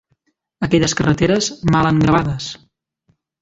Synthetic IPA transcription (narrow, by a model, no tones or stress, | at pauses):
əkɛʎəskərət̪eɾəzmaləŋɡɾəβaðəs